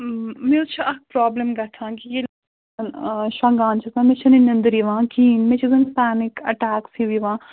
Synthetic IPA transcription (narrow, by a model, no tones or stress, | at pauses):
mẽʊt͡ʃʰɐk̚ʰpɾaːbləmɡɐʈ̪ʰãːkijeːl | ɐnʃãːŋɡaːnt͡ʃʰɐsãːmẽːt͡ʃʰɐninɐnd̪ɾiʋãːkiːnmẽt͡ʃʰɐzɐnpɛːnɪkɐʈaːksiʋiːʋãː